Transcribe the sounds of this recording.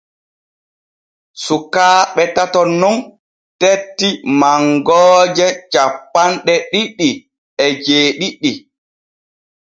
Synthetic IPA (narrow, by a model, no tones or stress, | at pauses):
sukaːɓɛtatɔnːɔn | tetːimaŋɡɔːd͡ʒɛt͡ʃapːanɗɛɗiɗːi | ɛd͡ʒeːɗiɗi